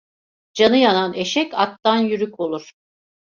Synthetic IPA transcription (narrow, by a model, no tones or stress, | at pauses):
d͡ʒanɯjanane̞ʃɛcak̪̚t̪anjyɾyko̞lˠuɾ̥